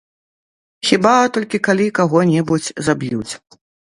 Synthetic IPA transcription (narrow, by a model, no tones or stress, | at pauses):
xʲibat̪ɔlʲkʲikalʲikaɣɔnʲɛbut͡sʲzabjut͡sʲ